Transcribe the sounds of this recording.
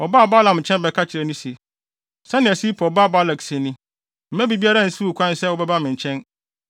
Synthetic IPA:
ɔ˨ba˦˨ba˦lã˨m̩˨t͡ɕʰɛ̃˦nbɛ˨kʰa˦t͡ɕʰɪ˨ɾɛ˨nʊ̃˦se˨ | sɛ˦nɪ̃˨æ˨si˦pʰɔ˨ba˦˨ba˦lɛ˨ksɛ˨nĩ˦ | m̩˦mæ˦bi˨bi˦a˦ɾa˦˨n̩˦su˦u˨kʰʷã˦n˦sɛ˦wʊ˦bɛ˦ba˦mɪ̃˨ɲ˨t͡ɕʰɛ̃˦n

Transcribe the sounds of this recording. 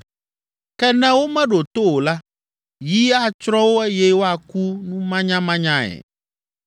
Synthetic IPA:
kɛ˦nɛ̃˦wo˦mɛ̃˦ɖo˨t̪o˦wo˨la˦ | ji˦a˦t͡ʃɾɔ̃˦wo˦ɛ˦jɛ˦wo˦a˨ku˦nũ˦mã˦ɲã˦mã˦ɲã˦ɛ̰˨

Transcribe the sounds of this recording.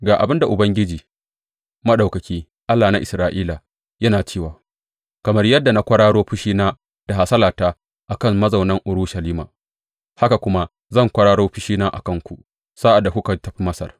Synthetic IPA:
ɡaː˨ʔa̰˨bɪ˦nda˨ʔʊ˨bɐ˦ŋɡʲɪ˦d͡ʒiː˨ | mɐ˦ɗa˨wkɐ˨kʲiː˦ | ʔa˦lːaː˨na˦ʔɪ˨sɾaː˨ʔiː˦laː˨ | jɐ˦naː˨t͡ʃeː˦˨waː˨ | kɐ˨mɐ˦rjɐ˦dːa˨na˦kʷɐ˦ɽaː˦ɽoː˦ɸɪ˦ʃiː˦naː˦ | d̥a˨ɦa˨sɐ˦laː˨taː˦ | ʔa˨kɐ˦˨ŋmɐ˦zɐ˨wnɐ˦ŋʔʊ˨ɾu˦ʃɐ˨liː˦ma̰ː˨ | ha˦ka˨kʷʊ˦ma˦ | zɐ˦˨ŋkʷɐ˦ɽaː˦ɽoː˦ɸɪ˦ʃiː˦naː˦ʔa̰˨kɐ˦˨ŋkʷu˨ʔ | sa˦ʔa˨dːa˨kʷʊ˦ka˨tɐ˨ɸi˦mɐ˦sɐ̰˨r

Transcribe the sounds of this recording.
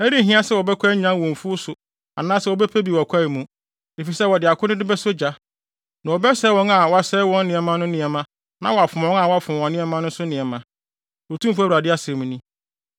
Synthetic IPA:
æ˦ɾi˦˨ɦĩ˦ã˦sɛ˦wɔ˨bɛ˦kʷʰa˦ɲã˦ŋwɔ̃˨ɱ˨fu˦sʊ˨ | a̰˨nãː˦sɛ˦wɔ˨bɛ˦pʰæ˦bi˨wɔ˨kʷʰa˦i˨mũ˨˦ | e˨fi˨sɛ˦wɔ˨dɪ˨a˨kʰʊ˦nɪ̃˦dɪ˦bɛ˦sʊ˦d͡ʑa˦ | nã˨wɔ˨bɛ˦sɛː˦wɔ̃˦ŋa˨wɔ˨a˨sɛ˦wɔ̃˦nː˦ɪ̃˨ɛ˨mã˦nʊ̃˦nɪ̃˨ɛ˨mã˦ | nã˦wɔ˨a˨fʊ̃˨ɔ̃˦ŋa˨wɔ˨˦a˨fʊ˨ɔ̃˨nɪ̃˦ɛ˦mã˦nʊ̃˦sʊ˦nɪ̃˨ɛ˨mã˨ | ɔ˨tʰũ˦m˦fæ˦˨u˨ɾa˨dɪ˦a˦sɛ˨mũ˨nĩ˦

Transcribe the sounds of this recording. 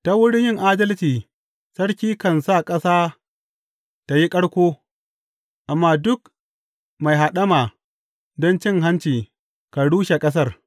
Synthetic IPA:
ta˦wʊ˦ɽɪ˦njɪ˦ŋʔaː˦dɐ˦lt͡ʃiː˨ | sɐ˦ɽkʲiː˦kɐ˨nsa˦˨kʼɐ˦saː˦ | ta˨ji˦kʼɐ˦ɽkʷoː˦ | ʔa˨mːaː˦dʊ˦k | ma˨jɦa˨ɗɐ˦maː˨ | dɔ˦nt͡ʃɪ˦ŋɦa˦nt͡ʃiː˨ | ka˨ɽuː˦ʃe˨kʼɐ˦s̬ɐ˦˨r

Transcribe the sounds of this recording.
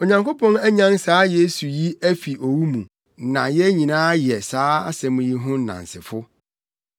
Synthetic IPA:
o˨ɲã˨ŋko˦pʰɔ̃˦næ˦ɲã˦n˦saː˨˦je˦su˨ji˦æ˦fi˨ʔo˨wu˦mũ˨ | nã˨jɛ˦ɲĩ˨nãː˦jɛ˨saː˨˦a̰˦sɛ̃˨mũ˨ji˦ɦʊ̃˦nã̰˨n̩˨sɪ̰˨fʊ˦

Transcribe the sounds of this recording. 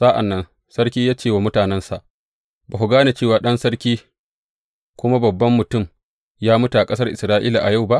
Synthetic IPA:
sa˦ʔa̰˨nːɐ˦n | sɐ˦rkʲiː˦jaː˦t͡ʃeː˦˨waː˨mʊ˦taː˨nɛ˦nsa˨ʔ | baː˨ɦʊ˨ɡaː˦na˨t͡ʃeː˦˨waː˨ɗɐ˦nsɐ˦rkʲiː˦ | kʷʊ˦ma˦bɐ˨bːɐ˦mːʊ˨tʊ˦˨m | jaː˦mʊ˦ta˨ʔa˨kʼɐ˦sɐ˦rʔɪ˨sɾaː˦ʔiː˦la˨ʔa˨ja˦˨wba˦ʔ

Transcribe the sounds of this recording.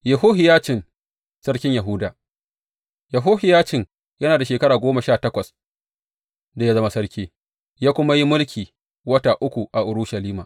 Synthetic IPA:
jɐ˨ɦoː˦ɦɪ˨jaː˦t͡ʃɪ˨n | sɐ˦ɽkʲɪ˦ɲjɐ˨ɦʊ˦daː˨ | jɐ˨ɦoː˦hɪ˨jaː˦t͡ʃɪ˨ŋ | jɐ˦naː˨da˨ʃeː˨kɐ˦ɽaː˨ɡʷoː˦ma˨ʃaː˦˨tɐ˦kʷɐ˨s | da˨ja˦zɐ˦ma˦sɐ˦ɽkʲeː˦ | jaː˦kʷʊ˦ma˦ji˦mʊ˦lkʲʰiː˨ | wɐ˦taː˨ʔʊ˦kʷu˨ʔa˨ʔʊ˨ɾʊ˦ʃɐ˨liː˦ma̰ː˨

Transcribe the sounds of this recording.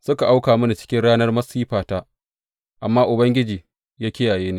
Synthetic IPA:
sʊ˦ka˨ʔa˦wkaː˨mʊ˦na˨t͡ʃɪ̥˦kʲɪ˦nɽaː˦nɐ˦rmɐ˦siː˦ɸaː˨taː˦ | ʔa˨mːaː˦ʔʊ˨bɐ˦ŋɡʲɪ˦d͡ʒiː˨ | jaː˦kʲɪ˦jaː˨jeː˦niː˦˨

